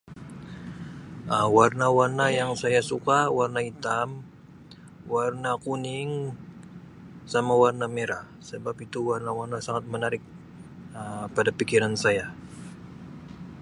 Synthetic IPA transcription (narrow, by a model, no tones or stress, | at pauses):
əwarnawarnajaŋsajasukawarnait̪am | warnakunɪŋ | samawarnameɾa | səbapit̪uwarnawarnasaŋat̪̚mənaɾɪk̚ | əpadapikiɾansaja